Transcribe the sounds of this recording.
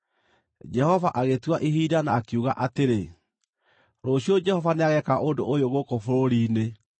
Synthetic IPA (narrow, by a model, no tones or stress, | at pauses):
d͡ʒɛhɔvaʔaɣetwaʔiɦiːdanaːkeuɣaʔateɾe | ɾoɕiɔd͡ʒɛhɔvaneaɣɛkaʔondoʔojoɣokofoɾoɾiːne